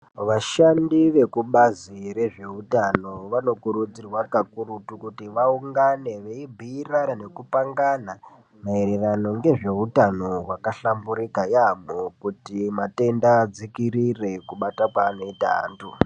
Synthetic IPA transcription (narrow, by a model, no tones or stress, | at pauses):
ʋaʃandiʋe̞kuɓazire̞ʐe̞utano̞ʋano̞kuɾud͡zirwakakuɾutukutiʋauŋɡane̞ʋeibʱiːranane̞kupaŋɡana | mae̞ɾe̞rano̞ŋɡe̞ʐe̞utano̞wakaɬambuɾikajamokutimate̞ndaːd͡zikiɾire̞kuɓatakwaːno̞ita̰a̰ːntu